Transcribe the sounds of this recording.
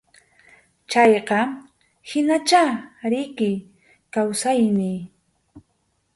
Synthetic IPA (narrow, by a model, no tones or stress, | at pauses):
t͡ʃɑjqɑ | hɪnat͡ʃaɾɪkɪj | kawsajnɪj